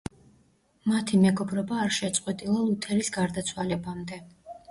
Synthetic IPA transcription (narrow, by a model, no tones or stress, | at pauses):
mat̪ʰimɛɡɔbɾɔbaːɾʃɛt̪sʼqʼwɛt̪ʼilˠalˠut̪ʰɛɾisɡaɾd̪at̪sʰwalɛbamd̪ɛ